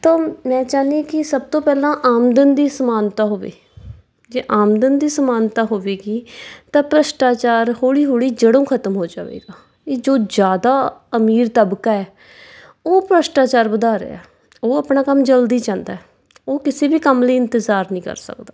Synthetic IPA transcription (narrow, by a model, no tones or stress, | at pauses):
t̪ãːmɛ̃ːt͡ʃaːniãːkɪsəb̚t̪õːpɛːlãːʔaːmd̪ənd̪iːsəmaːnt̪aːɦoːʋḛː | d͡ʒeːʔaːmd̪ənd̪iːsəmaːnt̪aːɦoːʋeːɡiːt̪ãːpɾəsʈaːt͡ʃaːɾhoːɽiːɦoːɽiːd͡ʒəɽõːkʰət̪əmɦoːd͡ʒa̰ːʋḛːɡaː | eːd͡ʒoːd͡ʒjaːd̪aːəmiːɾt̪əbkaːɛː | oːpɾəsʈaːt͡ʃaːɾbəd̪aːɾə̰a̰ː | oːəpɳaːkəmd͡ʒəld̪iːt͡ʃãːnd̪aːɛː | oːkɪseːbiːkəmləːɪnt̪əzaːɾnĩːkə̰ɾsə̰kd̪aː